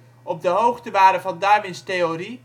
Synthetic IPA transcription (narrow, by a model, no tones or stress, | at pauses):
ɔb̚dəɦowχtəʋaːɾəvɑndaɹmɪnstejori